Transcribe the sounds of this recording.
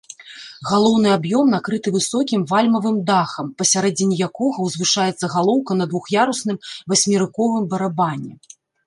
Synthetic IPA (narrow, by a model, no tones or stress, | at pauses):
ɣalˠɔwnɨabjɔmnakɾɨt̪ɨvɨsɔkʲimvalʲmɐvɨmd̪axɐmpɐsʲaɾɛd͡zʲɪnʲijakɔɣɐwzvɨʂajɛt̪sːɐɣalˠɔwkɐnɐd̪vuxjaɾusn̪ɨmvɐsʲmʲiɾɨkɔvɨmbɐɾabanʲːɛ